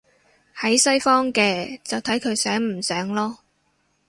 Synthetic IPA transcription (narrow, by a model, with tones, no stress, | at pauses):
hɐ˨˥jsɐ˥jfɔː˥ŋkɛː˧t͡sɐ˨wt̪ʰɐ˨˥jkʰɵ˨˧ɥsɛː˨˥ŋm̩˨˩sœː˨˥ŋlɔː˥